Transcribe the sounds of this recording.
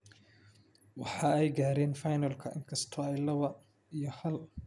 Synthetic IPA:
wɑ̰ħɑːɛjɡaːɾɛːnfɑjnɐlkʰɐʔɪ̰ŋkʰɐst̪ʰɔɛjlɐwɐ | ijɞhɐl

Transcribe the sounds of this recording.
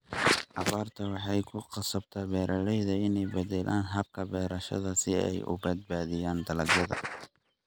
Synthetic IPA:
ʔɑβaːrt̪ʰɐwɑħɑjkʰʊqɑsɐb̚t̪ʰɐːbɛːɾʔɐlɛjðɐɪnɛjbɐd̪ɛlʔaːnɦɐb̚kʰɐbɛːɾɐʃɐ̰ðɐsɪɛ̰jʔʊ̰bɐd̪̚baːðɪjaːnd̪ɐlɐɡjɐðɐ̰

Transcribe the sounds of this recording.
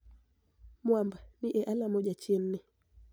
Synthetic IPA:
mwambaniʔɛʔalamɔʄat͡ʃenːɛ

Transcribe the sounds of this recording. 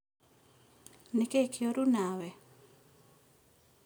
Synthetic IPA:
nikekʰjoɾunawɛ

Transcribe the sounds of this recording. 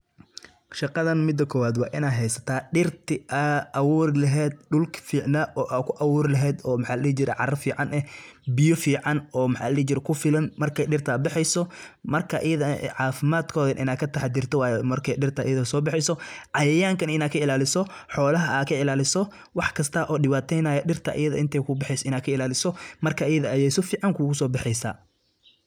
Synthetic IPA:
ʃɑqɑðɐnmɪd̪ːɐkʰɔːwaːd̪wɑ̰ːʔɪnaːɦɛjsɐt̪ʰaːɖɪrt̪ʰɪʔɐʔɐwʊːrlɐɦɛːd̪̚ɖʊlkʰfiːʕnaʔɔːʔaːkʰʊʔɐwʊːrlɐɦɛːd̪ɔːmɐħɑːllɛːt͡ʃɪɾɛ̰ʕɑrɐfiːʕɑnʔɛbɪjɔfiːʕɑnɔːmɐħa̰ːllɛːit͡ʃɪɾɛkʰʊfɪlɐnmɐrkʰɛjɗɪrt̪ʰɐːbɪħɛjsɔmɐrkʰɐʔɪ̰jɐðɐʕɑːfɪmaːd̪kʰɔːðɐnʔɪ̰naːkʰɐt̪ʰɐħɛd̪ɪrt̪ʰɐwaːjɛmɐrkʰɛjɖɪrt̪ʰɐʔɪ̰jɐðɐsɔːbɑħɛjsɔʕɑjɐjaːŋkʰɐnɪnaːkʰɐɪlaːlɪsɔħɔːlɐɦɐʔaːkʰɐɪlaːlɪsɔ | wɑħkʰɐst̪ʰɐʔɔːɗɪwaːt̪ʰɛjnaːjɐɗɪrt̪ʰɐ̰ʔɪ̰jɐðɐ̰ɪnt̪ʰɛjkʰʊbɪħɛjsɔɪnaːkʰɐɪlaːlɪsɔmɐrkʰɐɪjɐðɐːjɛjsɔfiːʕɑŋkʰʊɣʊsɔːbɑħɛjsa̰ː

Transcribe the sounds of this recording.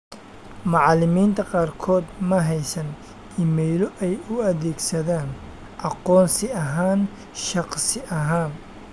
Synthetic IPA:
mɑʕɑlɪmiːnt̪ʰɐqɑːrkʰɔːd̪mɐɦɛjsɐn | imɛjlɔʔɛjʊɐðɛːɡsɐðaːn | ʔɑqɔːnsɪɐɦaːn | ʃɑqsɪʔɐɦaːn

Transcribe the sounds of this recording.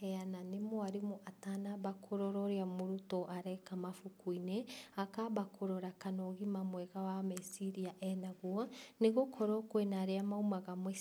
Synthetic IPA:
ɛananemoaɾemoʔatanaβakʰoɾɔɾɔɾeamoɾutɔʔaɾɛkamafukuineakabakʰoɾɔɾakanɔɣimamwɛɣawamɛsiɾiaʔɛnaɣwɔneɣokʰɔɾɔkwenaɾeamaumaɣamɛ

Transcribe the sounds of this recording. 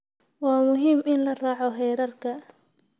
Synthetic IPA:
wɑːmʊɦiːmɪnlɐraːʕɔɦɛjɾɐrkʰɐ

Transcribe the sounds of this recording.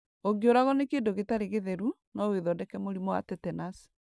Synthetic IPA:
oɡeoɾaɣɔnekeːndoɣetaɾeɣeðɛɾu | naweðɔdɛkɛmoɾimɔwa̰tɛtɛnas

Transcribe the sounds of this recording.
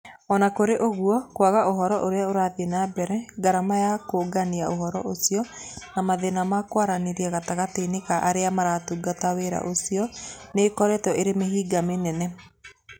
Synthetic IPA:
ɔnakoɾeʔoɣuɔkwaɣaʔoɦɔɾɔʔoɾeaoɾaðenabɛɾɛɡaɾamajakoɡaniaoɦɔɾɔ̰ʔosiɔnamaðenamakwaɾaneɾiɛɣataɣateneɣaʔaɾeamaɾatuɡataweɾa̰ʔosiɔnekɔɾɛtɔeɾemeɦiːɡamenɛnɛ

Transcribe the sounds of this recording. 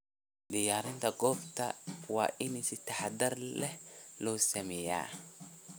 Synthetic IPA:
dɖɪjaːɾɪnt̪ʰɐɡɔːbt̪ʰɐ̰wɑ̰ːʔɪnɪsɪt̪ʰɐħɑd̪ɐrlɛhlɔːsɐmɛja̰ː

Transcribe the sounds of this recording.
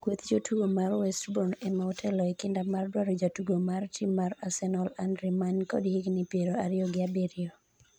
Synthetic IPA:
kwot̪d͡ʒotʰuɡomarwɛstbɔnɛmaɔtʰɛlɔɛkɪndamardwaɾod͡ʒatuɡomartʰimːaɾasɛnɔlandɾimankɔ̰dhiɡnɪpeɾoaɾɪɔɡɪabeɾɪo

